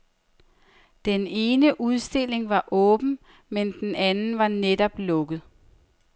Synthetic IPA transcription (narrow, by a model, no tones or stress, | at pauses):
d̥ene̝ːnəʔuð̞ˠsd̥e̝l̰e̝ŋʋɑ̈ʔɔ̽ːb̥n̩ | mend̥enænn̩ʋɑ̈nedɒ̽b̥lɔ̽ɡ̥ð̞̩ˠ